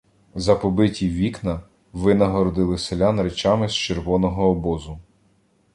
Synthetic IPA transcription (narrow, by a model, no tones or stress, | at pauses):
zɐpɔbɪtʲiʋʲiknɐ | ʋɪnɐɦɔɾɔd̪ɪlˠɪselʲanɾet͡ʃɑmɪst͡ʃerʋɔnɔɦɔːbɔzʊ